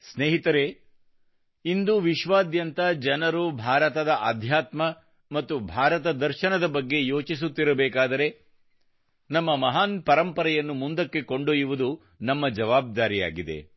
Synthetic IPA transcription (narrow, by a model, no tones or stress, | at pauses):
sneːɦit̪ɐɾe̞ | ind̪uʋiʃʋaːd̪jɐnt̪ɐd͡ʒɐnɐɾubʱaːɾɐt̪ɐd̪ɐʔɐd̪ʱjaːt̪mɐ | mɐt̪ːubʱaːɾɐt̪ɐd̪ɐɾʃɐnɐd̪ɐbɐɡːe̞jo̞ːt͡ʃis̬ut̪ːiɾɐbɛːkaːd̪ɐɾe̞ | nɐmːɐmɐɦaːnpɐɾɐmpɐɾɐjɐnːumund̪ɐkːe̞ko̞ɳɖoːjiʋud̪u | nɐmːɐd͡ʒɐʋaːb̚d̪aːɾija̰ːɡid̪ḛ